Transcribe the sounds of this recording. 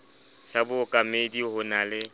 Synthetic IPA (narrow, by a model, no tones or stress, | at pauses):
sʰabʊkʼamedihʊnalɪ